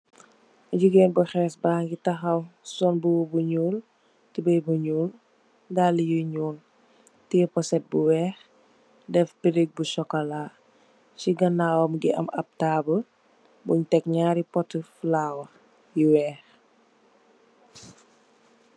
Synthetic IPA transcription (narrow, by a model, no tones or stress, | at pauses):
ɐɟuɡeːnbɐxɛːsbaːŋɡitɐxɐwsɔnbuwbuɲuːl | tibɐjbuɲuːl | daːlijuɲuːl | tijəpɔsɛt̚buwɛːx | dɛfpiɾiɡ̚busɔkɔlaː | t͡ʃiɡɐnaːwɐmɡiʔɐ̰mɐ̰p̚taːbə | buɲtɛkɲaːɾipɔtəflaːwɐ | jiwɛːx